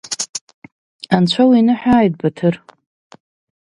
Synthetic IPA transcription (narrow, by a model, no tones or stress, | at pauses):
ant͡ɕʷʰawinɨħʷᶣaːjt̚batʰɨr